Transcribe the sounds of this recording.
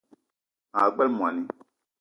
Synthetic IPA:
a˨ɡ͡bɛ˦lmu˨a˨ni˨˦

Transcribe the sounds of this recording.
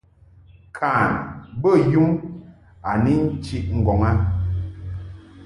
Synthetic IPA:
kʰaː˨nbə˦ju˦m | a˨ni˦n̩˦t͡ʃi˦ʔŋ̩˨ɡɔ˨ŋa˦

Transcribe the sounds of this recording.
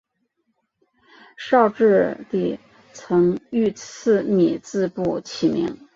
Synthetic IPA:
ʂɑ˥˧ʊʈ͡ʂɻ̩˥˧t̪i˥˩ | t͡sʰɤ˧˥ŋy˥˧t͡s̩ʰ˥˩mi˨˩t͡sɹ̩˥˧pu˥˩t͡ɕʰi˨˩mḭ˧˥ŋ

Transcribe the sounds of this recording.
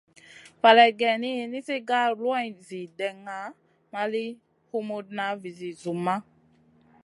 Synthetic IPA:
fa˨lɛ˨ɡɛ˨ni˦e˨ni˦se˦ɡa˦lwa˦jzi˨dɛ˨ŋa˨˦ | ma˦li˦ | hu˦mo˦dna˨˦vi˨zi˨zu˨mːa˦

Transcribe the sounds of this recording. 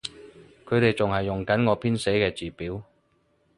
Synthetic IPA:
kʰɵ˨˧ɾe˨jt͡sʊ˨ŋhɐ˨jːʊ˨˩ŋkɐ˨˥nŋɔː˨˧pʰiː˥nse˨˥jkɛː˧t͡siː˨piː˨˥w

